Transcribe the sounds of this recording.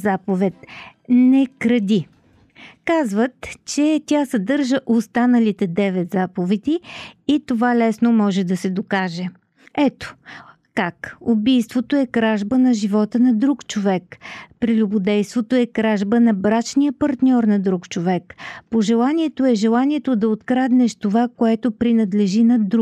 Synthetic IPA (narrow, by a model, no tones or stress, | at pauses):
zapovɛt̪nɛkɾɐd̪ʲi | kazvət̪t͡ʃɛt̪ʲasɐd̪ɤɾʒəʔost̪anəlit̪ɛd̪ɛvɛt̪zapovɛd̪ʲiit̪ovalɛsnomɔʒɛd̪ɐsɛd̪okaʒɛ | ɛt̪o̥ | kakubijst̪vot̪oɛkɾaʒbənɐʒivɔt̪ənɐd̪ɾukt͡ʃovɛkpɾilʲubʊd̪ɛjst̪vot̪oɛkɾaʒbənɐbɾat͡ʃnijəpɐɾt̪nʲɔɾnɐd̪ɾukt͡ʃovɛkpoʒɛlˠaniɛt̪oɛʒɛlˠaniɛt̪od̪ɐot̪kɾad̪nɛʃt̪ovakoɛt̪opɾinɐd̪lɛʒinɐd̪ɾu